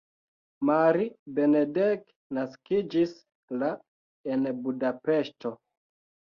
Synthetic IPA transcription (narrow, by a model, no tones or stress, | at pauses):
maɾibe̞nedek | naskid͡ʒis | la | enbudapeʃto